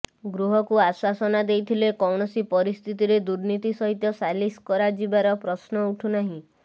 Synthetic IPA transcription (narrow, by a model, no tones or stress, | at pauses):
ɡɾuɦɔkuaswasɔnad̪ejt̪ʰilekɔwɳɔsipɔɾist̪ʰit̪iɾed̪uɾnit̪isɔɦit̪jɔsaliskɔɾad͡ʒibaɾɔpɾɔsnɔuʈʰunaɦĩ